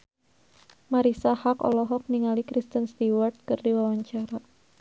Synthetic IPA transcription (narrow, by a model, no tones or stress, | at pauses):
maɾisahakɔ̰lɔɦɔk̚niŋalikɾist̪ənst̪iwart̪̚kɨrdiwawaɲt͡ʃaɾa